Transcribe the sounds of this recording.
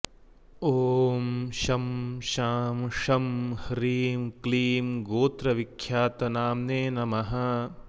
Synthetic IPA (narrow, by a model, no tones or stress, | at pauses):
oːmʃɐmʃaːmʂɐmhɾiːmkliːmɡoːt̪ɾɐʋikʰːjaːt̪ɐnaːmneːnɐmɐɦɐ